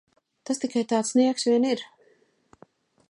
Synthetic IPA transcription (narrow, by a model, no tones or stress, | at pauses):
t̪ast̪ikajt̪aːt̪sniɛksvʲiɛniɾ